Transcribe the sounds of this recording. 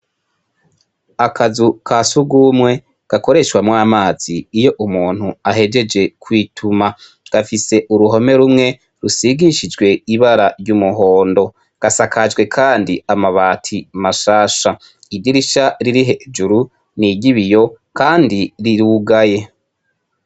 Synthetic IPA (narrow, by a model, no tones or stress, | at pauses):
akʰazukʰasuɡumŋe̞ | ɡ̥ako̞ɾe̞ʃwamŋaːmaːz̥iːjo̞ʔumuːn̥huaɦe̞d͡ʒe̞d͡ʒe̞kʰwiːtʰuma | ɡ̥afise̞ʔuɾuɦo̞me̞ɾumŋe̞ | ɾusiɡiʃid͡ʒɡwe̞iβaɾaɾɟumuɦo̞ːndo̞ | ɡ̥asakʰad͡ʒɡwe̞kʰaːndiamaβaːtʰimaʃaːʃa | idiɾiʃaɾiɾiɦe̞d͡ʒuɾu | niɟiβijo̞kaːndiɾiɾuːɡaje̞